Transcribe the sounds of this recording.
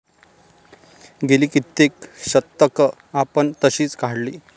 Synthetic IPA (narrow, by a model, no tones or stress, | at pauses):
ɡeliːkit̪ːekɕət̪ːəkə | apəɳt̪əɕiːt͡skaɽliː